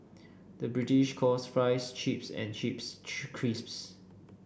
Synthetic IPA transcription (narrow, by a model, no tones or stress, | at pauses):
dəbɹitiʃkʰɔsfɹaɪst͡ʃipsɛ̰̃nt͡ʃipskʰɹisps